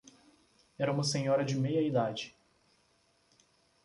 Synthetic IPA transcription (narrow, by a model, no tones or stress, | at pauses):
ɛɾɐũmɐsẽɲɔɾɐd͡ʒɪmejɐid̪ad͡ʒɪ